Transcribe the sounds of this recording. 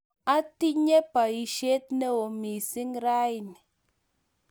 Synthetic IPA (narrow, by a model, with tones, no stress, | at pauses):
a˦ti˦ɲe˦pa˨i˨ʃe˦t̚ne˦o˨mi˨si˦ŋɾa˦i˨ni˨